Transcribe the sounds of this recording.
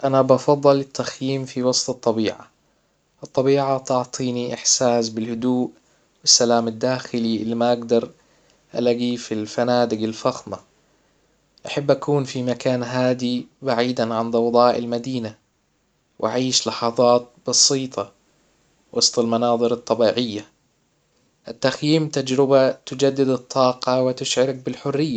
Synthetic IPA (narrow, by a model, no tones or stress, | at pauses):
ʔanabɑfɑðˤːɨlɪt̪ːaxjiːmfiwɑsˤt̪ˤɨt̪ˤːɑbiːʕa̰ | ʔɨt̪ˤːɑbiːʕat̪ɑʕt̪ˤiːniʔɪħsaːsbɪlhʊd̪uːʔ | wɪsːalaːmad̪ːaːxɪliʔɪlːimaʔaɡd̪ɑɾˤ | ʔa̰laɡiːfilfanaːd̪ɪɡalfaxma | ʔaħabːʔakuːnfimakaːnɦaːd̪ibaʕiːd̪anʕand̪ˤɑwd̪ˤɑːʔɪ̰lmad̪iːna | wʔaʕiːʃlɑħɑðˤɑːt̪̚bɑsiːt̪ˤɑ | wɑsˤt̪ˤɑlmɑnɑːðˤɨɾɑt̪ˤːɑbiːʕɪjːa | ʔɪt̪ːaxjiːmt̪ad͡ʒɾɪbat̪ʊd͡ʒad̪ːɪd̪ɨt̪ˤʰːɑːqɑwɪt̪ɪʃʕɪɾak̚bɪlħʊrːɪjːa